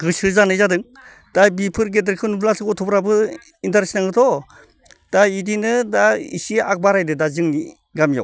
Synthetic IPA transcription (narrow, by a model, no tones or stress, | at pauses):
ɡɯsɯzanɯjzadɯŋ | d̥ajbipʰɯɾɡedɾkʰɯnupʰlasɯkɔtʰɔpɾabɯ | intaɾsnaŋɡɯtʰɔ | d̥aidinɯdaḭsiak̚baɾajdɯdazɯŋni | ɡamja̰w